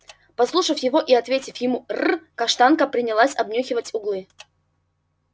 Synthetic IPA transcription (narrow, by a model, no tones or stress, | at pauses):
pɐslˠuʂəfjɪvo̞ʔiɐt̪vʲetʲɪfjɪmurkɐʂt̪ankəpɾʲɪnʲɪlˠasʲɐbnʲoxʲɪvətʲʊɡlˠɨ